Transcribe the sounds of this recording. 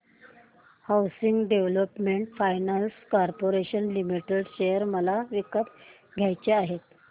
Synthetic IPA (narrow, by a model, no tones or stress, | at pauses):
hawsiŋɡɖeʋləpmeɳʈfajnanskɔɾpoɾeɕənlimiʈeɖɕejəɾməlaʋikət̪ | ɡʱjajt͡ɕeaɦet̪